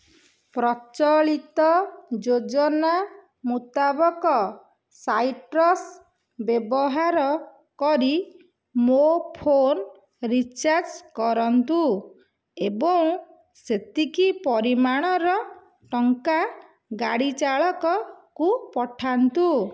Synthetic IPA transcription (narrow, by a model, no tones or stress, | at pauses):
pɾɔt͡ʃɔɭit̪ɔd͡ʒod͡ʒɔna | mut̪abɔkɔ | sajʈɾɔs | bjebɔɦaɾɔ | kɔɾi | mopʰon | ɾit͡ʃaɾd͡ʒkɔɾɔnt̪u | ebɔŋ | set̪ikipɔɾimaɽ̃ɔɾɔ | ʈɔŋka | ɡaɽit͡ʃaɭɔkɔkupɔʈʰant̪u